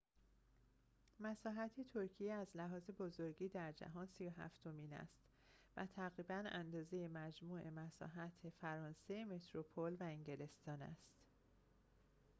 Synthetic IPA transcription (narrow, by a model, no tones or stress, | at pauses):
mæsɒːɦæt̪ʰe̞t̪ʰoɾcʰijeæzlæɦɒːze̞bozoɾɟiːd̪æɾd͡ʒæ̰ɦɒːnsijoɦæ̰ft̪ʰo̞miːnæ̰st̪ | væt̪ʰæɣɾiːbænænd̪ɒːze̞jemæd͡ʒmuːʔe̞mæsɒ̰ːɦæt̪ʰefæɾɒːnseeme̞t̪ʰɾopʰolvæeŋɟe̞le̞st̪ɒːnæ̰st̪